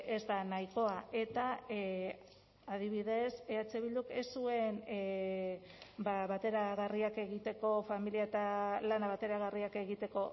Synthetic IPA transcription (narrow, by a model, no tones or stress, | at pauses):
e̞zd̪anajko̞ae̞t̪a | að̞iβ̞iðe̞seat͡seβild̪ukesue̞n | baβat̪e̞ɾaɣariake̞ɣit̪e̞ko̞familiaet̪alanaβat̪e̞ɾaɣariake̞ɣit̪e̞ko̞